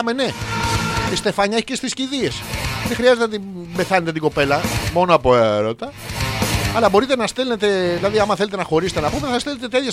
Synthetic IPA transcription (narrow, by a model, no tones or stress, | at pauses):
mene̞ | ist̪e̞fɐɲɐeçi̥cest̪isciðie̞sðexɾiɐze̞t̪eot̪i | be̞θɐne̞t̪e̞t̪iɡo̞pe̞lɐmo̞noɐpoeɾot̪ɐ | ɐlɐbo̞ɾit̪enɐst̪elne̞t̪e̞ðilɐðiɐmɐθe̞let̪e̞nɐxo̞ɾiset̪enɐpot̪eðeθɐst̪elet̪et̪etçɐs